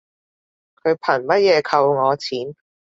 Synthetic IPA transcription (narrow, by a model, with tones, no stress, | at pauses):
kʰɵ˨˧ɥpʰɐ˨˩mɐ˥t̚jɛː˨˧kʰɐ˧wŋɔː˨˧t͡sʰiː˨˥n